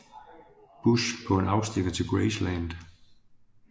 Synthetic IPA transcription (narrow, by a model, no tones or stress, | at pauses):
b̥uʃpʰɒ̽e̝näʊsd̥enət͡sʰe̝lɡ̥ɹeɪslænd̥